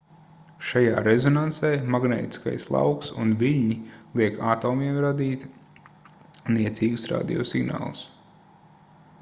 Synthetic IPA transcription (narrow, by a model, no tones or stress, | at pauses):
ʃajaːɾezɔnansɛjmaɡnɛ̰ːt̪i̥ska̰jslˠa̰wksṵnviʎʲɲilˠiɛkʰaːt̪oːmiɛmɾad̪iːt̪ | niɛt̪siːɡusɾa̰ːd̪ḭjɔ̰ːsiɡna̰ːlˠus